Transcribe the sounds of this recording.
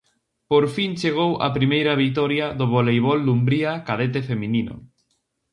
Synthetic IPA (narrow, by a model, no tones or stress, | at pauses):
poɾfint͡ʃeɣ̞owʔa̰pɾimejɾɐβ̞ik̚t̪ɔɾjaðʊβolejβɔlːumbɾiakað̞et̪̬efemĩninʊ̰